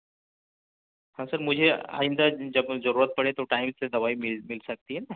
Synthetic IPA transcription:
hãsɐɾmʊd͡ʒʱea̰ːɪ̃nd̪ad͡ʒɐbzɐɾuːɾət̪̚pɐɽet̪oʈaːɪmsed̪ɐʋaːimɪmɪlsɐk̚t̪iɦɛːnaː

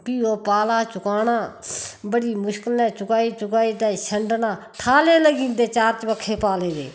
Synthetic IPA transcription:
piːoːpaːlaːt͡ʃʊkaːnãːbəɽiːmʊʃkəlnɛ̃ːt͡ʃʊkaːiːt͡ʃʊkaːiːt̪ɛːʃʰəɳɖnãː | ʈʰaːleːləɡĩːnd̪eːt͡ʃaːɾt͡ʃbəkʰːeːpaːleːd̪ḛː

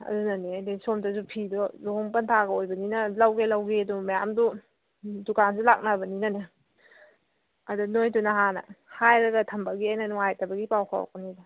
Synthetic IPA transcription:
ɐ̰dunɐnedesomtasupʰidɔloŋpɐntʰaɡɐojbɐninɐlawɡelawɡedumɐja̰mdu | dukansulak̚nabɐninɐne | ɐdunojdunaɦanɐ̰hajɾɐɡɐtʰɐmbɐɡiajnɐnɔŋajtɐbɐɡipawkʰa̰w̰kɔnidɔ

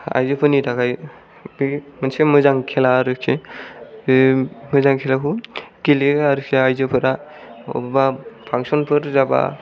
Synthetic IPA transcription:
a̰jzɯpʰɯnitʰakʰaj | bimɯnsemɯzaŋkʰelaɾɯkʰe | mɯzaŋkʰelakʰukileaɾɯkʰeajzɯpʰɯɾa | ɔ̰bapʰaŋsɔnpʰɯɾzaba̰

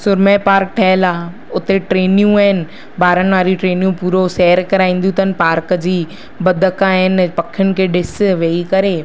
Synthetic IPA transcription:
sʊɾmepaːɾk̚ʈʰɐɦɪlaː | ʊt̪eʈɾeːnijũaɦɪnɪ̆ | baːɾəñɪ̆ʋaːɾiʈɾeːnjũpuːɾosɛːəɾkɐɾaːĩːn̆d̪iut̪ʰənɪ̆paːɾkd͡ʑiː | bɐd̪ʱəkaɦɪnpɐkʰɪjʊnɪ̆kʰeːɖɪsʋeikɐɾeː

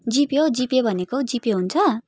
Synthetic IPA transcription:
d͡zipjod͡zipjebʱʌnekod͡zipjoɦunt͡sʰʌ

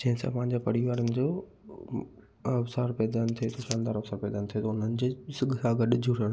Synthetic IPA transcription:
d͡ʑɐ̃ɦɪ̃sã̰pɐ̃ɦɪ̃ɲd͡ʑapɐɾiʋaːɾənɪ̆d͡ʑoː | ɐfsaːɾpɛːd̪aːnt̪ʰiet̪ʰoʃãːnd̪aːɾɐfsaːɾpɛːd̪aːnt̪ʰijet̪oʊn̤ənɪ̆d͡ʑeːsɪɡʱsaːɡɐɗʊd͡ʑʱʊɾəɽ̃

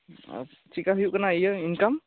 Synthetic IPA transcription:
t͡ʃikaɦjuʔkanajəinkam

